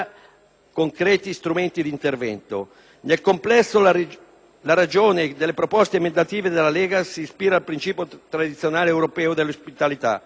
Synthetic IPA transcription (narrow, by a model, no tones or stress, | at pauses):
koŋkɾɛːt̪ist̪ɾumɛnt̪id̪int̪ervɛ̰nt̪o̰ | nelkomplɛsːo | laɾad͡ʒoːned̪elːepɾopɔst̪emend̪at̪iːved̪elalɛːɡasispiːɾaːlpɾint͡ʃiːpjot̪ɾad̪it̪sjonaːleɛwɾopɛːod̪elospit̪alit̪a̰